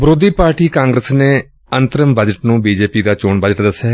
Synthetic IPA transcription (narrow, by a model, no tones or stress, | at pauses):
bɾoːd̪iːpaːɾʈiːkãːŋɡɾəsneː | ənt̪əɾəmbəd͡ʒəʈnũːbiːd͡ʒeːpiːd̪aːt͡ʃoːɳbəd͡ʒəʈd̪əsːjɛː